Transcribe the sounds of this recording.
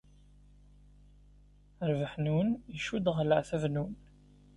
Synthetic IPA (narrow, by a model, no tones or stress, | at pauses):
əɾvəħnunəʃud̪ʁləʕθævnun